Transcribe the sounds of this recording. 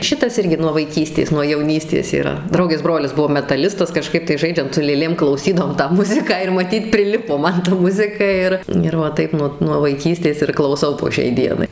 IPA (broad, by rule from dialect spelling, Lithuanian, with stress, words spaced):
ˈʃʲɪtɐs ˈɪrʲɡʲɪ nuɔ ʋɐɪˈkʲiːsʲtʲeːs nuɔ jɛʊˈnʲiːsʲtʲeːs iːˈrɐ ˈdrɐʊɡʲeːs ˈbroːlʲɪs ˈbʊʋoː mʲɛtɐˈlʲɪstɐs kɐˈʃkɐɪp tɐɪ ˈʒɐɪd͡ʒʲɛnt sʊ lʲeːˈlʲeːm klˠɐʊˈsʲiːdɐʋoːm tɑː ˈmʊzʲɪkɑː ɪr mɐˈtʲiːt pʲrʲˈɪlʲɪpoː ˈmɐn tɐ ˈmʊzʲɪkɐ ˈɪr ɪr ʋɐ ˈtɐɪp nuɔ nuɔ ʋɐɪˈkʲiːsʲtʲeːs ɪr klˠɐʊˈsɐʊ poː ˈʃʲɛɪ ˈdʲiɛnɐɪ